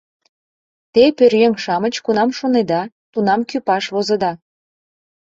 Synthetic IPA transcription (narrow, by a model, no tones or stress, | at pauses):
t̪epørjeŋʃɑmət͡ɕkunɑmʃoned̪ɑ | t̪unɑmkypɑʃβozɤ̆d̪ɑ